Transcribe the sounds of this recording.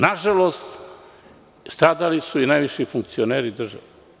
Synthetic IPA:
naʒaloːst̪ | st̪ɾaːd̪alisuinajʋiʃifuŋk̚t̪sioneːɾid̪r̩ʒa̰ʋe

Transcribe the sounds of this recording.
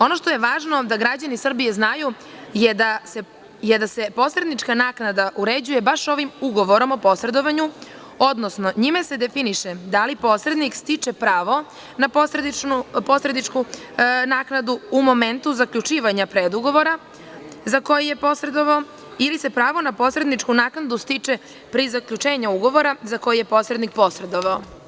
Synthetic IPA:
o̞no̞ʃt̪o̞je̞ʋaːʒno̞d̪aɡɾad͡ʑanisr̩bijeznaju | jed̪ase | jed̪ase̞po̞sɾe̞d̪nit͡ʃkanaːknad̪aʔuɾed͡ʑuje̞baʃo̞ʋimuɡo̞ʋo̞ɾo̞mopo̞sɾe̞d̪o̞ʋaɲu | od̪nosno̞ɲimase̞d̪e̞finiʃed̪alipo̞sɾe̞d̪nikst̪it͡ʂe̞pɾaːʋo̞ | naposɾed̪iupo̞sɾed̪nit͡ʃku | naːknad̪uumo̞me̞nt̪uzakʎut͡ʃiːʋaɲapɾed̪uɡo̞ʋo̞ɾa | zako̞jije̞po̞sɾe̞d̪oʋao | ilise̞pɾaːʋo̞napo̞sɾe̞d̪nit͡ʃkunaːknad̪ust̪it͡ʃe | pɾizakʎʲut͡ʃe̞ːɲauɡo̞ʋo̞ɾazako̞jijepo̞sɾed̪nik̚po̞sɾe̞d̪oʋao

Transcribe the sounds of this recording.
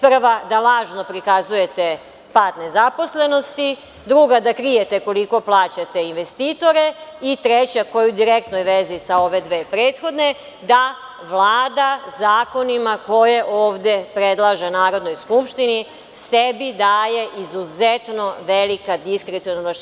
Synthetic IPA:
pr̩ʋad̪alaːʒno̞pɾikazuje̞t̪e̞ | paːt̪ne̞zapo̞sle̞no̞st̪i | d̪ɾuɡad̪akɾijet̪e̞ko̞liko̞plˠaːt͡ɕat̪e̞inʋe̞st̪iːt̪o̞ɾe̞it̪ɾet͡ɕako̞jud̪iɾek̚t̪nojʋe̞zisao̞ʋe̞d̪ʋeːpɾeːt̪xo̞d̪ne̞ | d̪a | ʋlˠaːd̪azaːko̞nimako̞jeʔoːʋd̪epɾed̪lˠaʒenaːɾo̞d̪no̞jskupʃt̪ini | sebid̪aje̞ʔizuzet̪no̞ʋelikad̪iskɾet̪sionno

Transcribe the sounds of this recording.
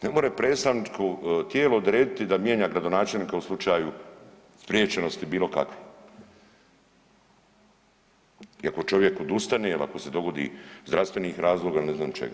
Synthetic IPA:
nemoːɾepɾeːst̪amnit͡ʃkʰot̪jeːlood̪ɾeːd̪it̪id̪amjeːɲaɡɾad̪o̞naːt͡ʃelniːkauslˠut͡ʃaːju | spɾjeːt͡ʃe̞no̞st̪ibiːlˠo̞ka̰kʋi | iako̞t͡ʃo̞ʋje̞kod̪ust̪aneilʔa̰ko̞se̞d̪o̞ɡo̞d̪ḭːzd̪ɾast̪ʋe̞niːxɾaːzlˠoːɡailneznaːmt͡ʃḛɡa̰

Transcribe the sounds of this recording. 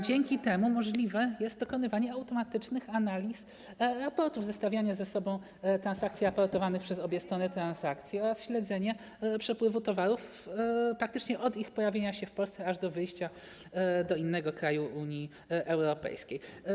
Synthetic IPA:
d͡ʑɛŋkʲit̪ɛmumɔʐlʲivɛjɛst̪̚d̪ɔkɔnɘvaɲɛawt̪ɔmat̪ɘt͡ʂnɘxanalʲis | ɾapɔɾt̪uvzɛst̪avʲjaɲazɛsɔbɔ̃w̃ | t̪ɾansak̚t̪sʲjiapɔɾt̪ɔvanɘxpʂɛzɔbʲjɛst̪ɾɔnɘt̪ɾansakt̪sʲjiɔɾasɕlɛd̪zɛɲɛ | pʂɛpwɘvut̪ɔvaɾuf | pɾak̚t̪ɘt͡ʂɲɛʔɔd̪ixpɔjavʲjeɲaɕɛfpɔlst̪ɛaʐd̪ɔvɘjɕt͡ɕa | d̪ɔinːɛɡɔkɾajuʔuɲi | ʔɛwɾɔpɛ̰jskʲej

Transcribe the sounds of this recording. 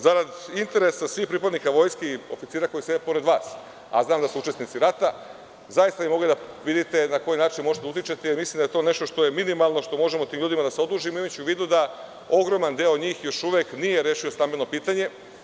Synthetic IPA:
zaɾad̪int̪e̞ɾesasʋiːxpɾipad̪nikaʋo̞jskeo̞fit̪siːɾako̞jised̪epo̞ɾe̞d̪ʋaːs | a̰znaːmd̪asuut͡ʃe̞st̪nit̪siɾat̪a | zajist̪aʋimo̞ɡlid̪aʋid̪it̪enako̞jinaːt͡ʃinmoʒet̪aut̪jit͡ʃet̪eimislimd̪ajet̪o̞ːne̞ʃt̪oʃt̪o̞je̞minimalˠno̞ʃt̪o̞mo̞ʒemo̞t̪iːmʎuːd̪imad̪aseo̞d̪uːʒimoimat͡ɕuʋiːd̪ud̪a | o̞ɡɾo̞mand̪eːod̪ɲiːxjo̞ʃuʋeknijeɾeʃio̞st̪ambilʲnopiːt̪aɲe̞

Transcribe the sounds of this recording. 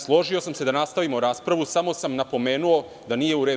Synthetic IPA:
slˠo̞ʒio̞samse̞d̪anast̪aʋimoɾaːspɾaʋusamo̞samnapo̞me̞ːnuo̞ | d̪anije̞uɾe

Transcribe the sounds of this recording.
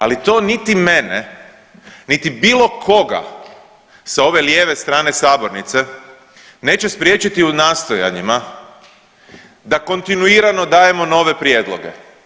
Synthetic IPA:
alit̪o̞ːnit̪ime̞nḛ | nit̪ibiːlˠo̞kʰo̞ɡa̰ | sao̞ʋe̞ljeːʋe̞st̪ɾaːne̞saːbo̞ɾnit̪se̞ | ne̞ːt͡ɕe̞spɾje̞t͡ɕit̪iunaːst̪oja̰ɲima | d̪ako̞nt̪inuiːɾano̞d̪aːje̞mo̞no̞ːʋe̞pɾjed̪lˠo̰ɡḛ

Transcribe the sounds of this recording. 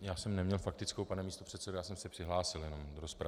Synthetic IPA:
jaːsɛmnɛmɲɛlfak̚t̪ɪt͡skowpanɛmiːst̪or̥ɛt̪sɛdojaːsɛmsɛpr̝̥ɪɦlaːsɪljɛno̞mdoɾospɾa

